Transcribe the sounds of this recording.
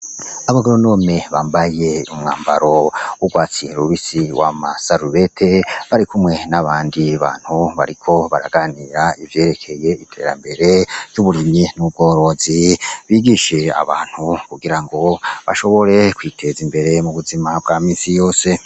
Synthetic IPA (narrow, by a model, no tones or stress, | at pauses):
aβaɡoɾono̞ːme̞βaːmbaje̞umŋa̰ːmba̰ɾo̞uɡwaːt͡sieɾuβisiwʔamasaɾuβe̞tʰe̞βaɾikumŋe̞naβaːndiβa̰ːn̥huβa̰ɾikʰo̞βaɾa̰ɡaniːɾaivje̞ːɾe̞kʰe̞je̞itʰe̞̰ːɾa̰mbe̞ɾe̞̥juβuɾiminub̚ɡo̞ːɾo̞ziβiːɡiʃe̞a̰βa̰ːn̥hukuɡiɾaŋɡo̞βa̰ʃo̞βo̞ɾe̞kwiːtʰe̞zimbe̞ɾe̞muβuzimabɡaːmiːnsijo̞ːse̞